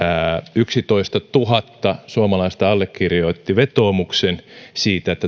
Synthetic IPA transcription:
æyksit̪oist̪ɑt̪uɦɑt̪ːɑsuɑmɑlɑist̪ɑɑlːekːirjoit̪ːiʋet̪oːmuksensiːt̪æet̪ːæ

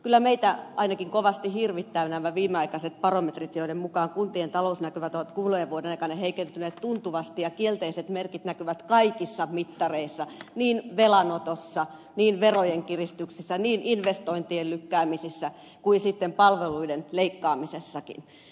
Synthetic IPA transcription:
kylːæmeit̪æʔɑinɑkiŋkoʋɑst̪ihirʋit̪ːænæmːæʋiːmeɑikɑset̪̚pɑromet̪rit̪joidemmukɑːŋkunt̪ient̪ɑlousnækyʋæt̪oʋɑt̪kuːlojeʋuodenɑikɑneheikent̪yneːt̪tunt̪uʋɑst̪ijɑkielt̪eiset̪merkit̪nækyʋæt̪kɑikisːɑmit̪ːɑreisːɑniːnʋelɑnot̪osːɑ | niːnʋerojeŋkirist̪yksisːæniːnʔinʋest̪oint̪iellykːæːmisisːæ | kuinsit̪ːempɑlʋeluidenleikːɑːmisesːɑkḭn

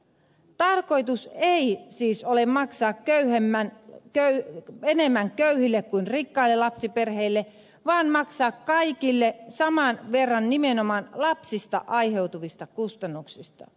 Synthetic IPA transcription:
t̪ɑrko̞it̪useisiːsolemmɑksɑːkkøyhemːænkøyenemːæŋkøyhilːekkuinrikːɑilːelɑpsiperheilːe | ʋɑːnmɑksɑːkkɑikilːesɑmɑnʋerːɑnnimenomɑnlɑpsist̪ɑ̰ʔɑjɦe̞wt̪uʋist̪ɑkust̪ɑnːuksist̪ɑ̰

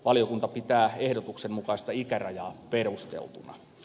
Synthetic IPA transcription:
ʋɑlijokunt̪ɑpit̪æːehdot̪uksemmukɑist̪ɑikærɑjɑːperust̪ḛlt̪unɑ̰

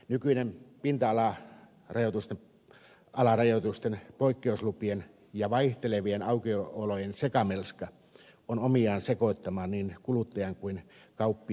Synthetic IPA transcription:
nykyinempint̪ɑɑlɑ | rɑjot̪ust̪e | ɑlɑrɑjot̪ust̪enpoikːeuslupien | jɑʋɑiht̪eleʋienɑukioolojensekɑmelskɑ | onomiɑːnsekoˑit̪ːɑmɑnniːnkulut̪ːɑjɑŋkuinkɑupːi

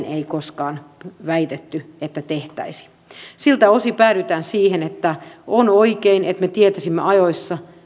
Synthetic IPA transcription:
nʔeikoskɑːnʋæit̪et̪ːyet̪ːæt̪eht̪æ̰isi̥ | silt̪æo̞sipæːɾyt̪æːnsiːhenet̪ːæonoikeinʔet̪met̪iet̪æsimːḛɑjoisːɑ

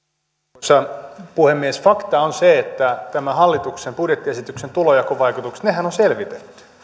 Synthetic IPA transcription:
sːɑpuhemːiesfɑkt̪ɑonseet̪ːæt̪æmæhɑlːit̪uksempudjet̪ːiesit̪yksent̪ulojɑkoʋɑikut̪uksnehænonselʋit̪et̪ːy̥

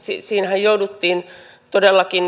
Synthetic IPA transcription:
sisiːnhæjjoudut̪ːiːn | t̪odelːɑkin

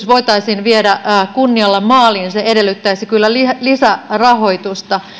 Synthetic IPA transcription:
sʋo̞it̪ɑisiːnʋiedækunːiɑlːɑmɑːliːnseedelːyt̪ːæisikylːælilisærɑho̞it̪ust̪ɑ

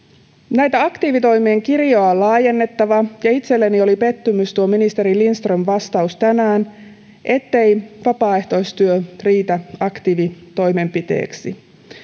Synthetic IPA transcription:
næjt̪æɑkt̪iːʋit̪o̞jmieːŋkirjoɑlɑːje̞nːe̞t̪ːɑʋɑjɑit̪se̞lːenio̞lipe̞t̪ːymyst̪uominist̪e̞ɾilinst̪ronʋɑst̪ɑust̪ænæːn | ʔe̞t̪ːe̞jʋɑpɑːe̞ht̪o̞jst̪yøriːt̪æɑkt̪iːʋit̪o̞jme̞mpit̪ḛːksi

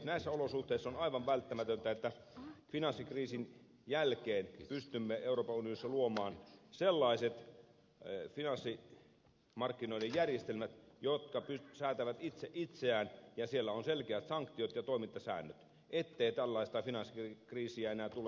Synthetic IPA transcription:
næisːæolosuht̪eisːonɑiʋɑʋʋælt̪ːæmæt̪ønt̪æet̪ːæfinɑnsːikriːsin | jælkeːnpyst̪ymːeeuroːpɑunionisːɑluomɑːnselːɑiset̪ | finɑnsːi | mɑrkːinoilejjærjest̪elmæt̪jot̪kɑpysæːt̪æʋæt̪it̪seʔit̪seæːnjɑsielːæonselkeæt̪sɑŋkt̪iot̪jɑt̪oimint̪ːɑsæ̰ːnːøt̪ | ʔet̪ːeit̪ælːɑist̪ɑfinɑnsːikriːsiæenæːt̪ule

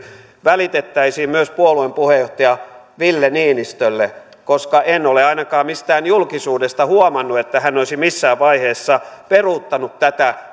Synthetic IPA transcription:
ʋælit̪et̪ːæisiːmmyøspuoluempuhejoht̪ɑjɑ | ʋilːenienist̪ølːe | koskɑʔenoleɑinɑkɑːmmist̪æːnjulkisuːdest̪ɑhuomɑnːuet̪ːæhænːoisimisːæːʋʋɑiheːsːɑperut̪ːɑnut̪t̪æt̪æ

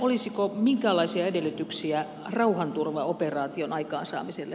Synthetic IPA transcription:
olisikomiŋkæːlɑisiɑedelːˑyt̪yksiæ | rɑuhɑnt̪urʋɑoperɑːt̪ionɑikɑ̰ːnsɑ̰ːmiselːe

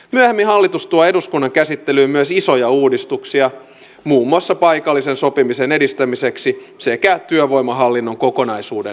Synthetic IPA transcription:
myæhemːiɦɑlːit̪ust̪uɑe̞duskunːɑŋkæsit̪ːelyːmyøsiso̞jɑuːdist̪uksiɑ | muːmːuɑsːɑpɑjkɑlːisenso̞pimisene̞dist̪æmiseksisekæt̪yøʋo̞jmɑɦɑlːinːoŋko̞ko̞nɑjsuːde

